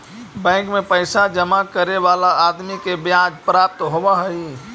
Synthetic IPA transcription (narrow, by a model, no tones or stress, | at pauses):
bɛ̃ːŋkmẽpəɪsad͡ʒəmakəɾeʋaːlaaːd̪mikebjãːd͡ʒpɾaːp̚t̪ɦoʋaɦəi